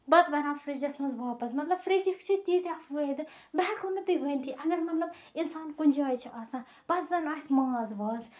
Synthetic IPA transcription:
bɐt̪ʋɐɾãːfɾed͡ʒɐsnɐzʋaːpɐzmɐt̪lɐbfɾed͡ʒikʰt͡ʃʰit̪iːt̪afʋəd̪ɨ | bɛːkʰunɨt̪ɨʋənʲt̪ʰiʔɐɡɐɾmɐt̪lɐb | insaːnkunʲd͡ʒaːjt͡ʃʰiʔɐsãː | pɐszɐnaːsʲmɐŋɐzʋɐːz

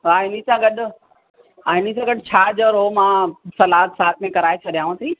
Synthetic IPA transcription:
ʋaːɪn̤ĩsãɡɐɗʊ̆ | ãɪn̤ĩsãɡɐɗt͡ɕʰaːd͡ʑəɾoːmãːsɐlaːt̪saːt̪̚ʰmẽkɐɾaːet͡ɕʰɐɗijãːsʰĩ

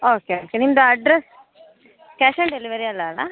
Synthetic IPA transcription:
oːkeoːkenimd̪ɐɐɖɾes | kɛʃɐɳɖelɪʋɐɾiɐlːala̰

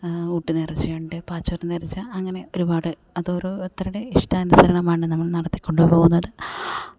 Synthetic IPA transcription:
uːʈːɨnerit͡ɕːueːɳɖɨpaːt͡ɕːoːrɨnerit͡ɕːɨɐŋːɐne̞o̞ɾubaːɽɨ | ɐðoːɾuet̪ːrɐuɽe̞iʂtɐːnusɐɾɐɳɐmaːjɳɖɨnɐmːɐɭnɐɽɐt̪ːi̥kʲːo̞ɳɖupo̞ːɣunːɐðɨ

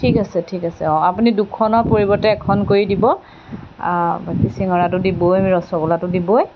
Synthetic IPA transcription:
tʰikasɛtʰikasɛɔapunidukʰɔnɔɹpoɹibɔɹtɛːkʰɔnkoɹidibɔ | bakisiŋɔɹatʊdibojmiɹɔsɔkɔlatʊdiboj

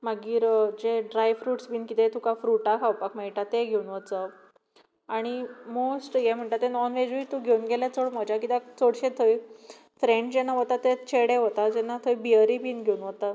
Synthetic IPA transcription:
maɡiːɾd͡ʑeɖɾajfɾuːʈsbiːnkit̪et̪ũkafɾuʈakʰawpakmejʈat̪ːeɡʱeunʋət͡sə | aɽ̃imosʈjɛm̤əɳʈ̪at̪ːenɔnʋed͡ʑuit̪ũɡʱewunɡelat͡soɽm̤əd͡ʑakit̪akt͡soɽɕet̪ʰəj | fɾeɳʈd͡ʑɛnːaʋət̪at̪et͡ɕʰeɽeɦot̪ad͡ʑɛnːat̪ʰəjbiəɾibiːnɡʱeunʋət̪a

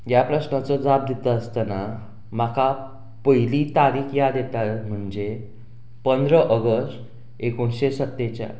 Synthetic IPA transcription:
japɾəsɳat͡sɔd͡zab̚d̪it̪əːst̪əna | makʰa | pəjlit̪aɾiːkjad̪jet̪atm̤əɳd͡ze | pənd̪ɾəʔəɡəsʈ | ekoɳɕesət̪ːet͡ɕja̰

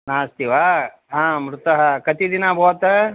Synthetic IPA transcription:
naːst̪iʋaː | ɦãːmɾut̪ɐɦɐkɐt̪id̪inɐbʱoːt̪ɐ

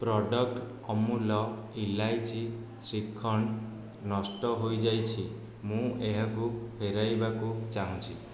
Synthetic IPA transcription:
pɾɔɖɔk̚ʈ | ɔmulɔilajt͡ʃʰi | sɾikʰːɔɳ | nɔsʈɔɦojd͡ʒajt͡ʃʰi | mũeɦakupʰeɾajbakut͡ʃaɦũt͡ʃʰi

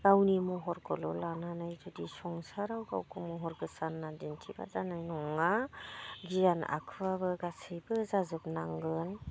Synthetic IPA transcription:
ɡ̥awnimɔɦɔɾɡɔlɔlananajdɔdisɔŋsaɾawɡa̰wkʰɯmɔɦɔɾɡɯsanːadintʰiba̰zanajnɔŋa | ɡijana̰kʰɯwabɯɡasibɯzazɯp̚naŋɡɯn

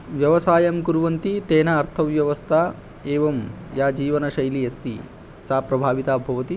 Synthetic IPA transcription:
ʋjɐʋɐsaːjɐmkuɾʋɐnt̪it̪eːnɐːɾt̪ʰɐʋjɐʋɐst̪ʰaː | eːʋɐm | jaːd͡ʒiːʋɐnɐʃɐjliɐst̪ḭ | saːpɾɐbʱaːʋit̪aːbʱɐʋɐt̪i

